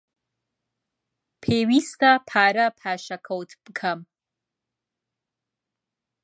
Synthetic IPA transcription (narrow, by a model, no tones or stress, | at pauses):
pʰeːwist̪apʰaːɾɐpʰaːʃɐkʰowtʰb̥kʰɐm